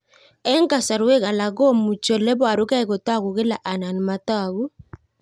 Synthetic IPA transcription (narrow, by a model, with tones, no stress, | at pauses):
ɛ˦ŋka˨sa˨ɾɛ˦ɣa˨la˨ɣɔ˦˨mu˨t͡ʃɔ˨lɛ˦bwa˨ɾu˦ka˦i˨ɣo˨ta˦˨ɣu˨ɣe˦la˨ʔa˨na˨ni˨ma˨ta˦˨βu˦